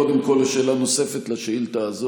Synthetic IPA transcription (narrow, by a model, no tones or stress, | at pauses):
od̪emko̞leʃeːlanose̞fet̪laʃeilt̪aːzo